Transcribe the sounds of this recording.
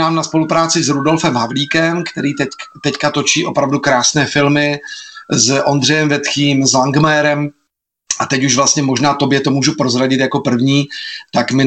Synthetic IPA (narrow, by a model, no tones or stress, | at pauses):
aːmnaspo̞lupɾaːt͡sɪzɾudo̞lfɛmɦavliːkɛmkt̪ɛɾiːɛt̪ɛckat̪o̞t͡ʃiːʔo̞pɾavdukɾaːsnɛːfɪlmɪ | zʔo̞nd̪r̝ɛjɛmvɛt̪xiːmzlaŋɡmɛːɾɛm | ʔat̪ɛcuʒvlast̪ɲɛmo̞ʒnaːt̪o̞bjɛt̪o̞muːʒupɾo̞zɾaɟɪt̪jako̞pr̩vɲiːt̪akmɪ